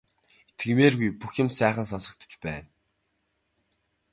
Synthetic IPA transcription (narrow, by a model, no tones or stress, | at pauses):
et̪ɘ̆meːrɣujpuxjʊ̆msæːχə̆ns̬ɔnsɞ̆k̚t̪ʰɞ̥̆t͡ɕpæ̰ːn